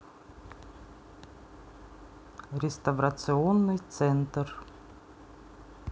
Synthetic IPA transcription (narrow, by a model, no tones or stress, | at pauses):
ɾʲɪst̪ɐvɾɐt̪sɨonːɨjt̪sɛnt̪r